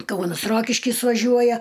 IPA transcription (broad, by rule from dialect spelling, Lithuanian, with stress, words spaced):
ˈkɐʊnɐs ˈroːkʲɪʃʲkʲɪs ʋɐˈʒʲuɔjɛ